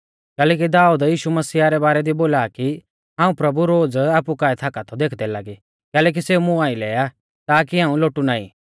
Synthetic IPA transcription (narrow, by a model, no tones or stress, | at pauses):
kɛːlɛːk̬id̪aːuːd̪jiːʃumɐsiːaɾɛbaːɾɛd̪iboːlaːki | ɦãːũpɾɐbuɾoːd͡zaːpukaːɛt̪ʰaːkat̪ʰɔd̪eːkʰd̪ɛlaɡi | kɛːlɛk̬iseːumũaːĩlɛːja | t̪aːkiãːũloːʈunaːḭ